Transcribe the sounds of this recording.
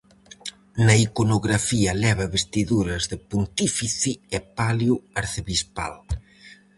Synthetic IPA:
nɐikonoɣɾafiɐlɛβ̞ɐβest̪iðuɾɐzðɪpunt̪ifiθiɛpaljuaɾθeβispa̰l

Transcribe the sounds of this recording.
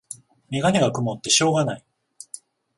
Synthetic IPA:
mʲiɡaɲʲiɡakɯ̟mo̞t̪ːe̞ɕo̞ːɡanai

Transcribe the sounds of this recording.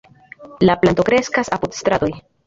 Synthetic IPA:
laplant̪o̞kɾe̞skasapud̪st̪ɾad̪o̞j

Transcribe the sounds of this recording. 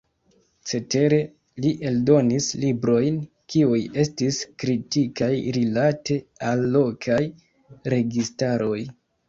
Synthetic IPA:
t͡se̞te̞ɾe̞ | liʔe̞ldo̞nislibɾo̞jn | kiuje̞stiskɾitikajɾilate̞alːo̞kʰaj | ɾe̞ɡistaɾo̞j

